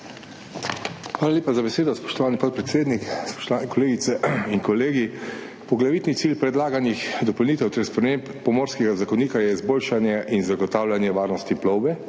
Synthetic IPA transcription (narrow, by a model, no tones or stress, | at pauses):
xʋaːlalʲeːpazabɛseːd̪ɔspɔ̥ʃt̪ɔʋaːnipɔt̪̚pɾɛt̪seːd̪nikspɔ̥ʃt̪ɔʋaːnɛkɔleːɡit̪sɛiŋkɔleːɡi | pɔɡlaʋiːt̪nit̪siːlpɾɛd̪laːɡanixd̪ɔpɔlniːt̪ɛwt̪ɛɾspɾɛmeːmpːɔmoːɾskɛɡazakɔniːkajɛizboːlʃanjɛʔinzaɡɔt̪aːwlanjɛʋaːɾnɔst̪iplɔwbɛ